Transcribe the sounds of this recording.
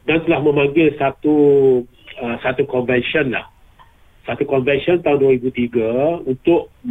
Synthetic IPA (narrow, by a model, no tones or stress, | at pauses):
dant̪əlahmə̃mãŋɡɪlsat̪u | əsat̪ukɔnvɛnsiɔnla̰h | sat̪ukɔnvɛnsiɔnt̪aunduaɾibut̪iɡaunt̪ʊʔ